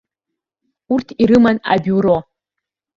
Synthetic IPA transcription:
urtʰiɾɨmana̰bʲuɾo

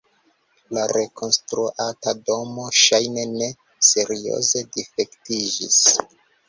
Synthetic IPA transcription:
laɾe̞ko̞nstɾuʔatado̞mo̞ʃajne̞ne̞ | se̞ɾio̞̰ze̞dife̞ktid͡ʒḭs

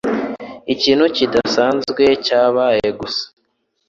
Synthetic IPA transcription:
iciːn̥hucidasaːnzɡwe̞caːβaːje̞ɡusḁ

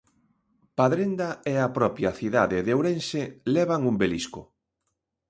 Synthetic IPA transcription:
paðɾend̪aeapɾɔpjaθiðaðɪðowɾẽnselɛβaŋumbeliskʊ

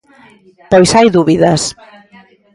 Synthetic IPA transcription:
pojsajðuβiðɐs

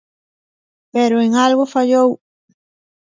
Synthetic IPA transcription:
peɾʊeŋalɣʊfaʎow

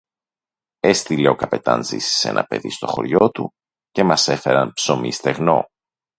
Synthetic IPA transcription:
e̞st̪ile̞okɐpe̞t̪ɐnzḭsi̥se̞nʔɐpe̞̰ðḭst̪o̞xo̞̰ɾʝo̞t̪u | cemɐse̞fe̞ɾɐnpso̞mist̪e̞ɣno̞̰

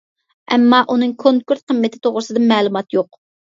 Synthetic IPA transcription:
ɛmːɑʔunɨŋkʰoŋkuɾt̪̚qəmːɪt̪ʰɪ̥t̪ʰoʁɾɨsɨd̪ɨmɛːlˠumɑt̪joq

